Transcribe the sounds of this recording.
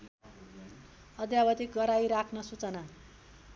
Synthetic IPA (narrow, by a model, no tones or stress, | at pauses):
ʌd̪jabʌt̪ik̚ɡʌɾajɾakʰnʌsut͡sʌna